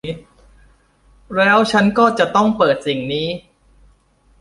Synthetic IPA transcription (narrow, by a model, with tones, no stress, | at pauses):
ɾɛː˦˥wt͡ɕʰa˦˥nkɔː˥˩t͡ɕa˨˩t̪ɔ˥˩ŋpɤː˨˩t̪̚si˨˩ŋniː˦˥